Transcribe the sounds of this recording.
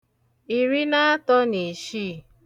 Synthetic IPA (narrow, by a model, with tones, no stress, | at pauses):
i˨ɾi˦na˦tɔ˦ni˨ʃi˦˨